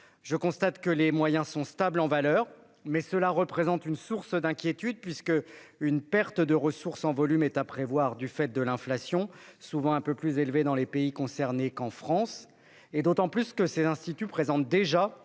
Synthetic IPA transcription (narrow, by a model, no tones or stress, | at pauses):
ʒəkɔ̃st̪at̪kəlemwajɛ̃sɔ̃st̪ablɑ̃valœːʁ | mɛsəlaʁəpχezɑ̃t̪ynsuʁsd̪ɛ̃kʲjet̪yd̪̚pɥiskəynpɛʁt̪əd̪əʁəsuʁsɑ̃vɔlymɛt̪apχevwaʁd̪yfɛt̪̚d̪əlɛ̃flasjɔ̃suvɑ̃ɛ̃pøplyzelved̪ɑ̃lepeikɔ̃sɛʁnekɑ̃fχɑ̃s | ed̪ot̪ɑ̃plyskəsezɛ̃st̪it̪ypχezɑ̃t̪̚d̪eʒa